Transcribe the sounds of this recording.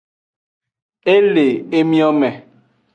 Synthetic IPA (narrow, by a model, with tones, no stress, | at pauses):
e˦le˨e˦mĩ˦ɔ˦mɛ˨